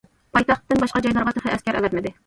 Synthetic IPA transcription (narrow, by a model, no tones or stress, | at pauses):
pʰɑjt̪ɑχt̪ːɨnbɑʃqɑd͡ʒɑjlˠɑɾʁɑt̪ʰχɨʔɛskʲæɾʔɛ̰vɛt̪mɪd̪ɪ